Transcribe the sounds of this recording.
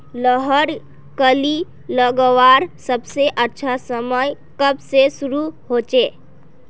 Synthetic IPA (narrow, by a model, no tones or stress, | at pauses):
ləɦəɾ | kəli | ləɡəwaːɾsəbseʔətːʃʰasəməj | kəbsesʊɾuɦoːt͡ʃeː